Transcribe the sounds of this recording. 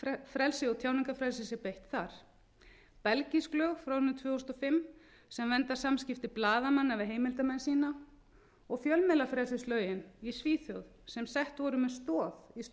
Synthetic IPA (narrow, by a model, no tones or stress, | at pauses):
fɾɛlsɪɔɣt̪ʰjaːwniŋkafɾɛlsɪsjɛɾpejht̪θaɾ̥ | pɛlcisklœːɣfɾawhʏnɾʏt̪ʰvʏːhust̪ɔfɪmː | sɛmvɛnt̪ḁsamscɪft̪ɪplaːðamanːavɪɦeːjmɪlt̪amɛnsiːna | ɔɣfjœlmɛlafɾɛlsɪst̪lœːɥjɪnisviːθjœɣðsɛmsɛht̪vɔɾʏmɛst̪ɔːθis